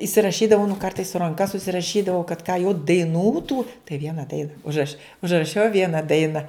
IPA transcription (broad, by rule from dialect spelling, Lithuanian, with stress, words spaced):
ɪsʲɪrɐˈʃʲiːdɐʋɐʊ nʊ ˈkɐrtɐɪs sʊ rɐŋˈkɐ sʊsʲɪrɐˈʃʲiːdɐʋɐʊ kɐt kɑː jɛʊ dɐɪˈnuː tuː tɐɪ ˈʋʲiɛnɐ ˈdɐɪnɐ ʊʒˈrɐʃʲ ʊʒrɐˈʃʲɛʊ ˈʋʲiɛnɐ ˈdɐɪnɐ